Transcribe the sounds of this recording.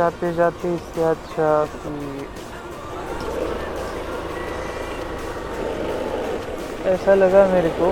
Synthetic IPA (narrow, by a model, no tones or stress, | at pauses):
aːt̪ed͡ʒaːt̪eɪseɐtːʃʰaki | ɛːsalɐɡameːɾeko